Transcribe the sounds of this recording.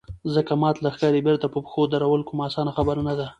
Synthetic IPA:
zəkamɑt̪laxkɑɾebeɾt̪apəpə̥xod̪aɾawəlkʊmɑsɑnaxabəɾanad̪a

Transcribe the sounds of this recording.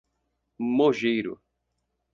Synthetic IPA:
moʒejɾʊ̰

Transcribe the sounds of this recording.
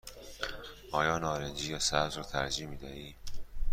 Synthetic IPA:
ʔɒːjɒːnɒːɾend͡ʒiːjɒːsæzɾɔːt̪ʰæ̰ɾd͡ʒiːmiːd̪æʔiː

